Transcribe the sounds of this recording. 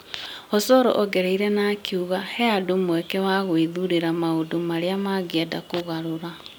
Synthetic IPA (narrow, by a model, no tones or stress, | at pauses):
ɔsɔɾɔ̰ʔɔɡɛɾeiɾɛnakiuɣahɛadomwɛkɛwaɣoiðuɾeɾamaodomaɾeamaɣeadakoɣaɾoɾa